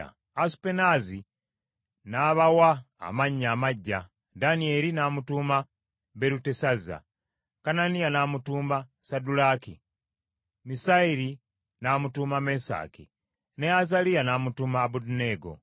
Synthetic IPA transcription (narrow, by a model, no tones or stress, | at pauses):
a̰ | asu̥penazi | naβawa̰ː | maɲːamaɟːa | danie̞ːɾinaːmutuːma | beɾutesaza̰ | kananijanaːmutuːmbasadulakḭ | misaiɾi | naːmutuːmamesa̰ːkḭ | neazalijanaːmutumaːbuduneɡo̞̰